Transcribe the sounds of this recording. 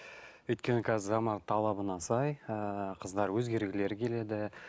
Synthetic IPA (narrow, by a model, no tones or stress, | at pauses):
ʏjt̪̚kʲe̞nɪkʲʰæzɪʒɑmɑt̪ʰɑlˠɑbənɑsɑjəqʰəzd̪ɑɾwɵzɡʲe̞ɾɡʲɪle̞ɾkʲʰe̞le̞d̪ɪ